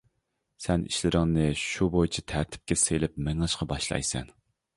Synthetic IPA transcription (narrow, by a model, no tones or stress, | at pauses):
sɛnḭʃlɪɾɪŋnɨʃubojt͡ʃʰit̪ʰæɾt̪ʰɪ̥p̚kʲɛselɪpmɛŋɑʃqɑbɑʃlˠɑ̰jsɛ̰n